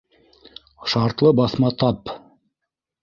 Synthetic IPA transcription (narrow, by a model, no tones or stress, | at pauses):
ʃɑɾt̪lˠɤbɑθmɑt̪ɑp